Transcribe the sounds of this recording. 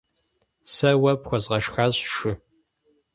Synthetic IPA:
sɐwɐpxʷɔzʁɐʂxaːɕʃɪ

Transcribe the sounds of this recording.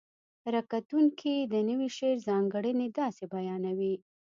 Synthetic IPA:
ɾakat̪uŋkʰid̪ənəwiʃeɾzɑŋɡəɽəned̪ɑsebajɑnawi

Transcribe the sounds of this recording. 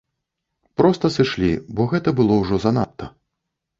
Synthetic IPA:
pɾɔst̪ɐsɨʂlʲḭbɔɣɛt̪ɐbɨlˠɔwʐɔzɐna̰t̪ʰːɐ

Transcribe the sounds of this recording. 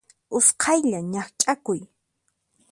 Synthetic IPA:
ʊsqʰɑjʎaɲaχt͡ʃʼakʊj

